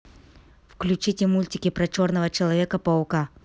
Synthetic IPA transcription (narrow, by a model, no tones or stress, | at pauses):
fklʲʉt͡ɕitʲɪmulʲtʲɪkʲɪpɾɐt͡ɕo̞rnəvət͡ɕɪlˠɐvʲekəpɐʊka